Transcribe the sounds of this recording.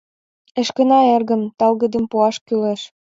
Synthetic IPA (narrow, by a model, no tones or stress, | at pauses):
ĕʃkə̆nɑerɣə̆mt̪ɑlɣə̆d̪ə̆mpuɑʃkyleʃ